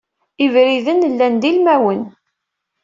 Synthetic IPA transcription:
ivɾiðənlːænd̪ilmæwən

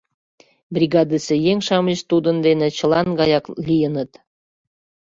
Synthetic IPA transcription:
brʲiɡɑd̪əsĕjeŋʲʃɑməɕt̪ud̪ənd̪enĕt͡ɕɤ̆lɑnɡɑjɑklʲijənə̆t̪

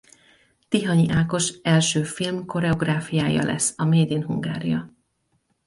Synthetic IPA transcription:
t̪iɦɒɲiʔaːko̞ʃɛlʃøːfilmko̞ɾɛo̞ɡraːfijaːjɒ̰lʔɛ̰sːɒmeːd̪inɦuŋɡa̰ːɾḭjɒ

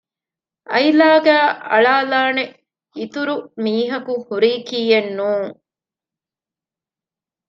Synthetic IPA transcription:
ʔɐjlaːɡæːʔɐ̰ɭaːlaːne | it̪uɾumiːɦɐkuhuɾiːkiːenːuːŋ

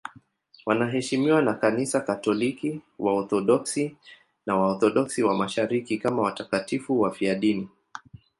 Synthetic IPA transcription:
wanaɦɛʃimiwanakanisakatɔlikiwaɔθɔɗɔksi | nawaɔθɔɗɔksiwamaʃaɾikikamawatakatifuwafiaɗini

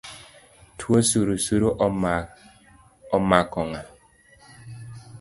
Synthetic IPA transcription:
tʰwosuɾusuɾoʔ | ɔmakɔŋa

